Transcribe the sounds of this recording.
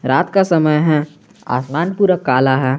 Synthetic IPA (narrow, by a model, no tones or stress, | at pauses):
ɾaːt̪kasɐməjɦɛ | a̰ːsmaːnpuːɾəkːaːlaɦɛː